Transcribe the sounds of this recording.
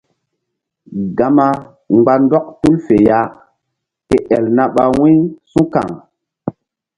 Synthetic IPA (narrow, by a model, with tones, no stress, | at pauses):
ɡa˨ma˦ | ŋ͡mɡ͡ba˦ndɔ˦k̚tu˦lfe˨ja˦ | ke˨ʔɛ˨lna˦ɓa˨wĩ˦sũ˦ka̰˨ŋ